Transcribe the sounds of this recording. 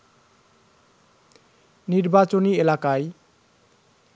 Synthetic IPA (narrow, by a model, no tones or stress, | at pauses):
niɾbat͡ɕonielakae